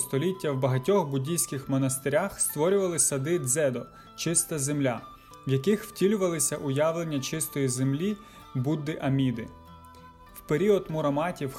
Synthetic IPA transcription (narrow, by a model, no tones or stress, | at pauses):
st̪ɔlʲitʲːɐwbɐɦɐtʲɔxbʊdʲijsʲkɪxmɔnɐst̪eɾʲaxst̪ʋɔɾʲʊʋɐlˠɪsɐd̪ɪd̪zɛd̪ɔ | t͡ʃɪst̪ɐzemlʲa | wjɐkɪxwtʲilʲʊʋɐlˠɪsʲɐʔʊjɑʋlˠe̞nʲːɐt͡ʃɪst̪ɔjizemlʲi | bud̪ːɪʔɐmʲid̪ɪ | wpeɾʲiɔd̪mʊɾɐmɑtʲiw